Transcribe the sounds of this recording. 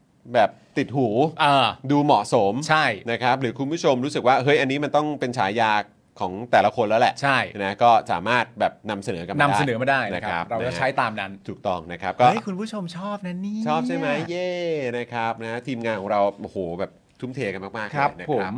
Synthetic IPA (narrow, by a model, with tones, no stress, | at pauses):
bɛː˨˩p̚t̪i˨˩t̪̚huː˩˦ʔaː˧duː˧mɔ˨˩ʔso˩˦mt͡ɕʰa˥˩jna˦˥kʰɾa˦˥p̚ɾɯː˩˦kʰu˧npʰu˥˩t͡ɕʰo˧mɾuː˦˥sɯ˨˩k̚waː˥˩ɦɤ˦˥jʔa˧nːiː˦˥ma˧nt̪ɔ˥˩ŋpe˧nt͡ɕʰaː˩˦jaː˧ | kʰɔː˩˦ŋt̪ɛː˨˩la˧˦˥kʰo˧nlɛː˦˥wlɛ̰˨˩ʔt͡ɕʰa˥˩jna˦˥kɔː˥˩sa̰ː˩˦maː˥˩t̪̚bɛː˨˩p̚na˧msa˧nɤː˩˦ka˧mnmna˧mdasːa˧˩nɤː˩˦ma˥˩daː˥˩jna˦˥kʰɾa˦˥p̚ɾa˧wt͡ɕa˥˦˩t͡ɕʰa˦˥jt̪aː˧mna˦˥nt̪ʰuː˨˩k̚t̪ɔ˥˩ŋna˦˥kʰa˦˥p̚kɔː˥˩˦jkʰu˧npʰu˥˩t͡ɕʰo˧mt͡ɕʰɔː˥˩p̚na˦˥niː˥t͡ɕʰɔː˥˩p̚t͡ɕʰa˥˩jma˦˥jːeː˥˩na˦˥kʰɾa˦˥p̚na˦˥t̪ʰiː˧mŋaː˧nkʰɔː˩˦ŋɾa˧wʔoː˨˩hoː˩bɛː˨˩p̚t̪ʰu˦˥mt̪ʰeː˧ka˧nmaː˥˩maː˥˩kʰna˦pʰko˨˩˦a˦˥m